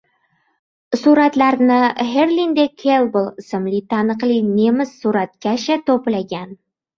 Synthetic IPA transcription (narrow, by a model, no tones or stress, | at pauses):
suɾɑt̪laɾnɪheɾlʲind̪ekʲʰelˠbəlˠɪsɘ̆mlit̪ʰɑnɤ̆qlˠinemɘzːuɾɑt̪̚kʲaɕat̪oplaɡʲæn